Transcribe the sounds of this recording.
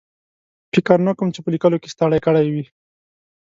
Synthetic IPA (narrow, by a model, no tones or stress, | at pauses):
fɪkəɾnəkəmt͡ʃepəlikəlokest̪aɽajkəɽajwi